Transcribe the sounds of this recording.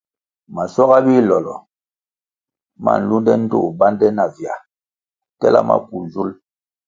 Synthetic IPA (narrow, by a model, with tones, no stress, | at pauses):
ma˨sɔ˦ɣa˦bi˦lɔ˨lɔ̰˨ | ma̰˦˨n̩˨lu˦ndɛ˦n̩˦dṵ˦˨ba˦ndɛ˦na˨vja˨ | tɛ˦la̰˦ma̰˦pu˨zu˦l